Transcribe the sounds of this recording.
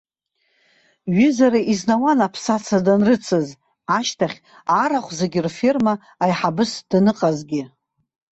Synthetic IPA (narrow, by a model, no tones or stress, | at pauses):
ɥɪzaɾaʔiznawanapʰsat͡sʰadanrɨt͡sʰɨz | aʃtʰaχʲ | aɾaχʷzeɡʲirfirmaː | jħabɨsd̥nɨqʼazɡʲɪ